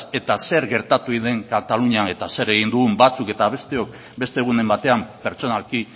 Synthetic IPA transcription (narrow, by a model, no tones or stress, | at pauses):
e̞t̪ase̞ɾɣe̞ɾt̪at̪uiðe̞ŋkat̪aluɲae̞t̪ase̞ɾe̞ɣ̞ind̪uɣumbat͡suke̞t̪aβ̞e̞st̪e̞o̞k̚ | be̞st̪eɣ̞une̞mbat̪e̞ampe̞ɾt͡ʃo̞nalki